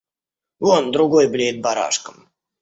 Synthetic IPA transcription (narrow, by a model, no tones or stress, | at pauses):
ond̪ɾʊɡojblʲeɪt̪̚baɾa̰ʂkəm